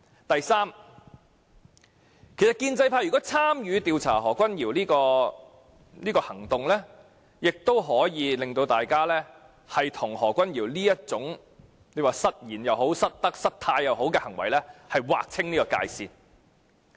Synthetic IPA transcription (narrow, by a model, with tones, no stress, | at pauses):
t̪ɐ˨jsaː˥m | kʰe˨˩jsɐ˨t̚kiː˧nt͡sɐ˧jpʰaː˧˥jy˨kɔ˨˥t͡sʰaː˥mjyː˨˧t̪iː˧wt͡sʰa̰ː˨˩hɔː˨˩kʷɐ˥njiː˨˩wliː˥kɔː˧ | niː˥kɔː˧hɐ˨˩ŋt̪ʊ˨ŋlɛː˥ | jɪ˨k̚t̪o˥wɦɔː˨˥jiː˨˧lɪ˨ŋt̪o˧wt̪aː˨jkaː˥lɛː˥ | hɐ˨jt̪ʰʊ˨˩ŋhɔː˨˩kʷɐ˥njiː˨˩wliː˥jɐ˥t̚t͡sʊ˨˥ŋ | ne˧waː˨sɐ˥t̚jiː˨˩njɐ˨who˨˥wsɐ˥t̚t̪ɐ˥k̚sɐ˥t̚t̪ʰaː˧jːɐ˨wɦo˨˥wkɛː˧hɐ˨˩ŋwɐ̰˨˩jlɛː˥hɐ˨jwa̰ː˨k̚t͡sʰɪ˥ŋniː˥kɔː˧ka̰ː˧jsiː˨˧n